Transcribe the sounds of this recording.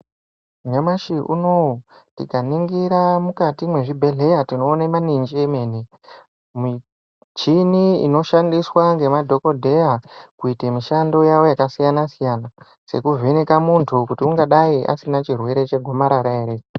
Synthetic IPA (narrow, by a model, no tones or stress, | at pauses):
ɲamaʃiʔṵnotḭkaniŋɡiɾamukatimwe̞ʐibʱe̞ɮe̞jatino̞ːnemanind͡ʒiemeːne | mi | t͡ʃiniḭno̞ʃandiswaŋɡe̞madʱo̞ko̞dʱe̞jakuitemiʃando̞jawo̞jakasijanasijaːna | se̞̰kuvʱenekamuntʰukutiuŋɡaɗaiʔa̰sinat͡ʃirwe̞ɾe̞t͡ʃe̞ɡʱo̞maɾaɾaeɾe